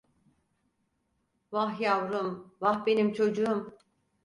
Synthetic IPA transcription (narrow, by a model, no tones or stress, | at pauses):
vahjavɾumvahbe̞nimt͡ʃʰo̞d͡ʒuum